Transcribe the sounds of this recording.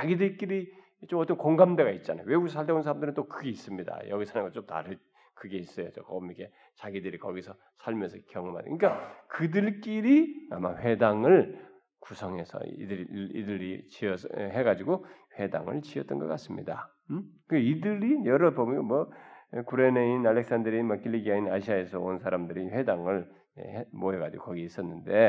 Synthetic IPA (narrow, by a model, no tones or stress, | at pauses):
t͡ɕaɡidɯɾk͈iɾi | t͡ɕomʌt͈ʌnkoŋɡamde̞ɡait̚t͡ɕ͈ana̰jowe̞ɡuɡisʰaɭteonsʰaɾamndɯɾɯnt͈okɯɡe̞is͈ɯmɲida̰jʌɡisʰanɯnɡʌt͡ɕomta̰ɾɯ | kɯɡe̞is͈ʌjot͡ɕokʌmike̞ | t͡ɕaɡidɯɾikʌɡisʰʌ | sʰaɭmjʌnsʰʌkjʌŋɯma̰dkɯik͈akɯdɯɭk͈iɾiama̰ɸwe̞daŋɯɭ | kusʰʌŋɦe̞sʰʌ̰ḭdɯɾḭdɯɾit͡ɕiʌsɦe̞ɡad͡ʑiɡoɸwe̞da̰ŋɯ̰ɭt͡ɕiʌt͈ʌnɡʌk͈as͈ɯmɲḭda | kɯɡeidɯɾijʌɾʌpomʌnɡomwʌkuɾeneinalːe̞k̚s͈andɯɾinmʌkʰilːiɡiainaɕʰiae̞sʰʌonsʰaɾamdɯɾiɸwe̞daŋɯɭ | ḛmoɦeɡad͡ʑiɡokʌɡiis͈ʌnːɯnde̞